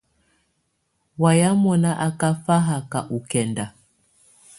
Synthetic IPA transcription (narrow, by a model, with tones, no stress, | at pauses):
wa˨ja˦mɔ˨na˦ʔa˨ka˦fa˦ɦa˨ka˨ʔu˨kɛ˨nda˨